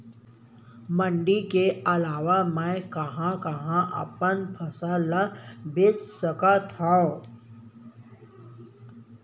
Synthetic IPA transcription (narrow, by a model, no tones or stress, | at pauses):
mə̃ɳɖikeɐlaːʋamə̃kɐɦãkəɦãʔə̰pənpʰəsalabɪssəkat̪ʰao